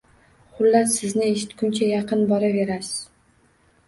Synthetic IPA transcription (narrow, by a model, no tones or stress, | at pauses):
χʊlːat̪sɪznɪeʃɪt̪kʰʲʊnt͡ʃʰajɑqɨnbɒɾave̞ɾasɪ̥z̥